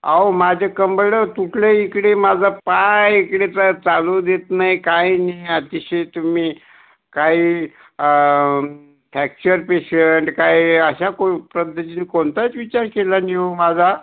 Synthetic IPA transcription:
aomad͡ʑʱekəmbəɽət̪uʈʰleikɽemad͡zʱapajikɽet͡sat͡salud̪et̪najkajniət̪iɕet̪umiː | kai | ʈʰæk̚t͡ɕəɾpeɕəɳʈkajəɕakopɾəd̪əɕinikoɳt̪at͡sʋit͡ɕaɾkelaniomad͡zʱa

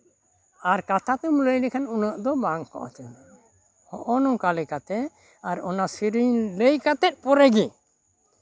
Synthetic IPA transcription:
aɾkat̪ʰat̪ɛmləjlɛkʰanunəʔd̪ɔbaŋkɔ̰ʔɔ̰t̪ɛn | hɔʔɔnɔŋkalɛkat̪ɛ | aɾɔnasiɾiɲləjkat̪ɛt̪̚ˀpɔɾɛɡi

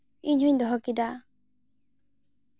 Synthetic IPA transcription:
iɲhuɲd̪ɔɦɔkid̪a

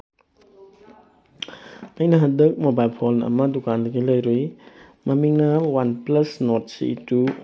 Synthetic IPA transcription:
ɐjnɐɦɐdɐk̚mobajlpʰolɐ̰mɐdukandɐɡilɐjɾoj | mɐmiŋnɐwanplɐsnot̚sḭtu

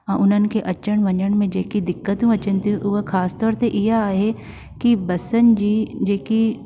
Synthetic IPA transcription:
ãʔʊnɦən̆keʔɐt͡ʃəɳʋɐ̃ɲd͡ʒəɳmẽd͡ʒeːkid̪ɪkːət̪ɦũɐt͡ʃənt̪iukʰaːst̪ɔːɾt̪eʔɪɦaaːɦe | kibɐsənd͡ʒiːd͡ʒeːki

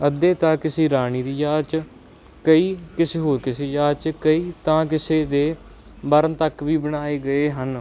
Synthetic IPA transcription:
əd̪eːt̪ãːkɪseːɾaːniːd̪iːjaːd̪̚t͡ʃ | kəiːkɪseːɦoːɾkɪseːjaːd̪t͡ʃkəiːt̪ãːk̬ɪseːd̪eː | bəɾənt̪əkʋiːbəɽaːeːɡəeːɦən

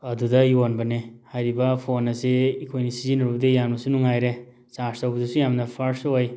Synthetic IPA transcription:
ɐdudɐiwonbɐnehajɾibɐpʰonɐseikʰojnisizinɔɾubdejanbɐsunuŋajɾe | saɾstawbɐdusujamnapʰaɾsoj

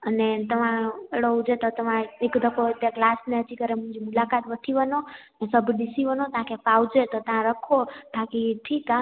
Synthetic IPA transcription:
ənet̪əmãeɽod͡ʒet̪ot̪əmãekd̪ʱəkʰoət̪jaklasneət͡ʃikəɾemũɲd͡ʒimulakat̪ʋəʈʰiʋənonesəbʱdisiʋənot̪ãkepawd͡ʒet̪ot̪ãɾəkʰobʱakiʈʰika

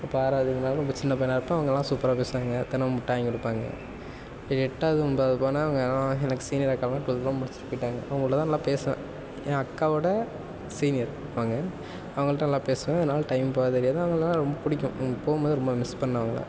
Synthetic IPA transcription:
ɪpːoaːɾaːðinaːlɾɔmbɐt͡ʃɪnːɐp̬ɐːjnaːɪɾɯpːɐ̃ɐʋɐŋɡɐɛlːãːsuːpɐɾaːpeːsɯʋaːŋɡɐt̪ɐnɐmʊʈːãːŋɡkʊɽɯpːaːŋɡɐ̰ | ɾɛʈːaːðɯʊnbaːðɯpoːnaːɐʋɐŋɡɐlːãːɛnɐkːɯ̥siːnɪjɐɾɐkːaːlãːʈʊllːãːmʊɽɪt͡ʃːɪɾɯpːoːɪʈːaːŋɡɐɐʋɐŋɡɐɭːt̪ãːnɐlːãːpeːsɐʋḛ̃ː | ɐkːaːʋɔɽɐ | siːnɪjɐɾ | ʋɐŋɡɐ | ɐʋɐŋɡɐɭʈːãnɐlːãːpeːsɯʋẽːɐðɐnaːlʈɐɪmpoːðɐɾɪjaːðaɐʋɐŋɡɐɭlːãːɾɔmbɐpʊɽɪkʲːʊ̃ɡpoːɣɯmbɐːðɯɾɔmbɐmɪspɐnːɐʋɐŋɡɐɭɐ̰

